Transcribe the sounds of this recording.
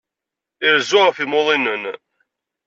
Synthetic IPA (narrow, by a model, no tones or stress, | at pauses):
ɪɾzʊʁfimoðˤinən